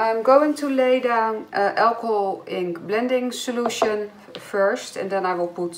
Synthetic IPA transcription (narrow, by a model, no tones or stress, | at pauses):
ʔãɪmɡoʊɪ̃ŋtʰuleɪdãʊnəʔɛlˠkolˠɪ̃ŋblɛ̃ndɪ̃ŋsəluʃə̃n | fɜ˞stɛ̰̃ndɛ̃naɪwɪlˠput